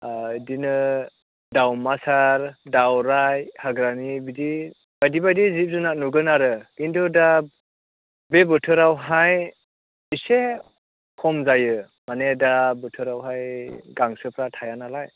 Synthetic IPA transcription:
dinɯ | dawmasaɾdawɾajhaɡɾanibidi | bajdibajdizip̚zɯnanuɡɯnaɾɯkintʰuda | bebɯtʰɯɾawɦaj | ise | kʰɔmzajɯ | manedabɯtʰɯɾawɦajɡaŋsɯpʰɾatʰajanalaj

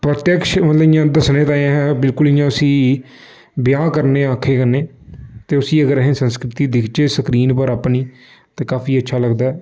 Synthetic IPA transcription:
pɾət̪jəkʃmət̪ləbɪjãːd̪əsnẽːt̪ãːãɦɛ̃ːbɪlkʊlɪjãːʊsĩː | bjãːkəɾneːãːkʰːeːkəɾneː | t̪eːʊsiːəɡəɾəɦẽːsənskɾɪt̪iːd̪ɪkʰt͡ʃeːsəkɾiːnpəɾaːpniː | t̪ẽːkaːpʰiːətːʃʰaːləɡd̪aːɛː

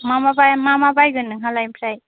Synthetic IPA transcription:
mamabajmamabajɡɯnɯŋɦalajmpʰɾaj

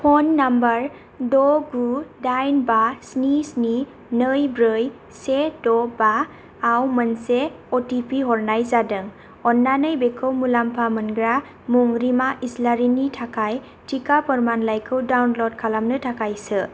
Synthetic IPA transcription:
pʰɔnːambəɾ | dɔɡudajnbasnisni | nɯjbɾɯj | sedɔbaː | wmənse | ɔtipʰiɦɔɾnajzadɯŋ | ɔnːanɯjbekʰɯwmulampʰamɯnɡɾa | muŋɾimaʔislaɾinitʰakʰaj | tʰikapɔɾmanlajkʰɯwdawnlɔd̚kʰalamnɯtʰakajsɯ

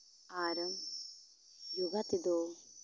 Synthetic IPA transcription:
aːɾɐŋ | juɡat̪id̪o

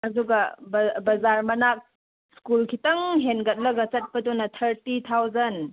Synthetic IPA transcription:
ɐduɡɐbbɐzaɾmɐnak̚ | skulkʰitɐŋɦenɡɐt̚lɐɡɐt͡sɐt̚pɐdɔnɐtʰɐɾtit̪ʰawzɐn

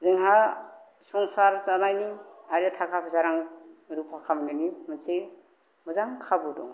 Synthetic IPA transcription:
zɯŋɦa | sɔŋsaɾt͡ʃanajniajɾɯtʰakʰapʰzaɾaŋɾupʰakʰamnɯnimɯse | muzaŋkʰabudɔ̰ŋ

